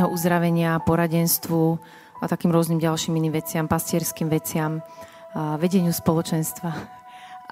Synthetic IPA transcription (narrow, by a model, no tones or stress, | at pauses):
ɦɔʔuzd̪ɾaʋɛɲɪapɔɾaɟɛnst̪ʋu | at̪akiːmɾʊɔzniːmɟalʃiːminiːmʋɛt͡sɪampascɪɛɾskiːmʋɛt͡sɪam | ʋɛɟɛɲɪuspɔlɔt͡ʃɛnst̪ʋa